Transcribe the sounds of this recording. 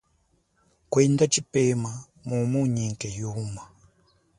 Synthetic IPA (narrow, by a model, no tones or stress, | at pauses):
kwɛndat͡ʃipema | mumuɲiŋkɛjuma